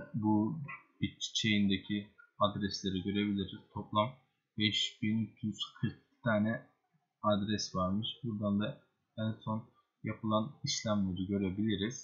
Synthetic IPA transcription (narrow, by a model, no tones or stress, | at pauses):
bu | it͡ʃt͡ʃʰejind̪ecʰiad̪ɾɛslʲeɾiɟø̞ɾebilʲiɾiz̥t̪ʰo̞plˠam | bɛʃb̥injyz̥kʰɯɾk̚ | t̪ʰaːnɛ | ad̪ɾɛsvaɾmɯʃbuɾd̪and̪a | ænso̞n | japʰɯlˠaniʃlʲæmlʲeɾiɟø̞ɾebilʲiɾiz̥